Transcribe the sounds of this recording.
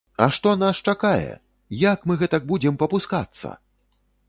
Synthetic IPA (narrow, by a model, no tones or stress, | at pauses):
ɐ̰ʂt̪ɔnaʂt͡ʂakajɛ̰ | jakmɨɣɛt̪ɐk̚bud͡zʲɛmpɐpuska̰t̪sːɐ̰